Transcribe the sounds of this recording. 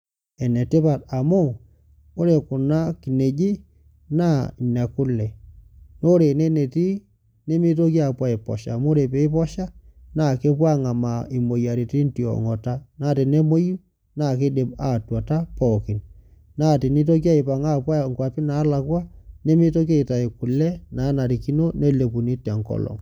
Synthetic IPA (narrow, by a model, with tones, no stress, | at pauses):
ɛ˨nɛ˨tɪ˦pa˨ta˨mo˦˨ | o˦ɾe˨kʊ˨na˦ki˨ne˨d͡ʒi˦ | na˦i˨na˨kʊ˦lɛ˨no˦ɾe˨ne˦ne˨ti˦ | ne˦mɪ˦to˦kja˨pwa˦e˨pɔ̰˨ʃa̰˨mo˦ɾe˨pe˦ɪ˦pɔ˦ʃa˦na˦˨ke˦pwa˦ŋa˨ma˨i˨mo˨ja˨ɾi˨ti˦nti˨ɔ̰˨ŋɔ˨ta˦na˦˨ti˨ne˦mo˦ju˦ | na˦˨ke˦de˨pa˨twɔ˨ta˦pɔ˨kɪ˨n | naː˦˨ti˨ni˦t̬o˦k̬ja˦ɪ˨pa˨ŋa˦pwa˦ŋkwa˨pɪ˦na˨˦la˨kwa˦ne˦mɪ˦to˦ke˦˨ta˨ɪ˨kʊ˨lɛ˦naː˨˦na˨ɾi˨ki˦no˦ne˦le˨pu˨ni˦tɛ˨ŋkɔ̰˦lɔ̰˨ŋ